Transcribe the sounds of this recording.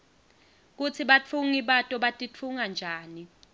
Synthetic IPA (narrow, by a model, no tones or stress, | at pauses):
k̬ut͡sʰiɓat͡fʰuŋiɓatʼɔɓatʼit͡fʰuŋand͡ʒʱaːni